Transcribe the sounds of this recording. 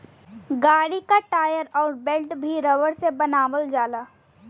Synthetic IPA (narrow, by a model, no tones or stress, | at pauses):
ɡaːɽikaʈaːjəɾɔːɾbelʈbʱiɾɐʋəɾsebɐnaːʋəld͡ʒaːlaː